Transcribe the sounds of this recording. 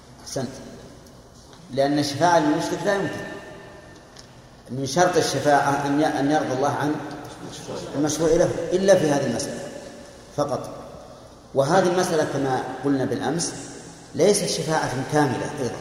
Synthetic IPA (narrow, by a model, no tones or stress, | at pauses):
ʔaħsant̪ | lɪʔanːaʃːafaːʕalɪnmʊʃlɪklaːjʊmkɪn | mɪnʃɑɾˤt̪aʃːafaːʕaʔanjʔanjɑɾd̪ˤɑlˤːɑːhʕan | almaʃɾuːʕlaɦʊ̰ʔɪlːafihaːðilmasʔala̰ | fɑqɑt̪ˤ | wɪɦaːðilmasʔalakamaqʊlnabɪlʔa̰ms | lejsat̪ʃafaːʕakaːmɪla̰ʔɑjðˤɑ̰